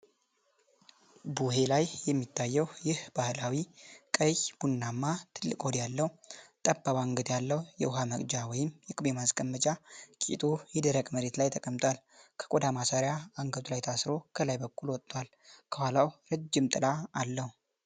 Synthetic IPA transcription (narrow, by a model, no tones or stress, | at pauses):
buɦe̞lajjɛmːit̪ʰːajːɛwjɪhbahlawikʼəjb̥unːamːat̪ʰɨlːɨkʼod̪jalːəht̪ʼəbːaβaŋɡəd̪jalːəwjɛ̰ʊɦaməkʼd͡ʒawɔjɪmjɛkʼɨbemaskʼəmːət͡ʃʼakʼḭt̪ʼujɛd̪əɾəkʼməɾe̞t̪lajt̪ʰəkʼəmt̪ʼwal | kʰə̥kʼod̪amasaɾjaaŋɡət̪ʰʼulajt̪ʰasɾo̞kʰəlajbəkʰʼːulwɔt̪ʼːwal | kʰəhalawɾɨd͡ʒːɪmt̪ʼɨlaːlːəhu